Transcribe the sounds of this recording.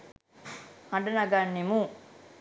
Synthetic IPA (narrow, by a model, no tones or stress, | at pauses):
hɐɖɐnɐɡanːimu